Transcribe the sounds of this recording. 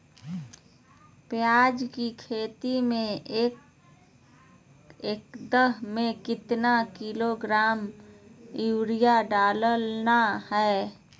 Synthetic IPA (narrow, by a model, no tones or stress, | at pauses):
pjaːd͡ʒkikʰeːt̪imẽ | ekd̪əɦmẽkɪt̪nakiloɡɾaːm | uːɾijaɖaːləlnahɛ